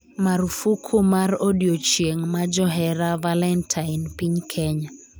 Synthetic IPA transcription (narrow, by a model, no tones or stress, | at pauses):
maɾufukʰomarodiot͡ʃjeŋmad͡ʒɔɦɛɾavalɛntʰainpiɲkʰɛɲa